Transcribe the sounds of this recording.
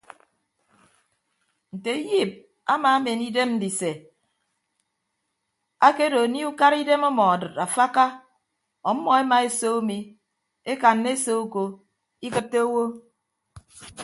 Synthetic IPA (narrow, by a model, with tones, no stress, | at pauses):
n̩˨te˨˦ji˦˨p̚ | a˦ma˨˦a˦me˨ni˦de˦mn̩˦di˨se˨ | a˦ke˦do˨ni˦u˦ka˦ɾi˦de˦mo˦mɔ˨a˨dɨ˨ta˨fa˦ka˦ | ɔ˨m̩˦mɔ˨e˦ma˨e˦so˦o˦mi˨ | e˦ka˨nːe˦so˦u˦ko˨ | i˦kɨ˦tːe˦o˦wo˦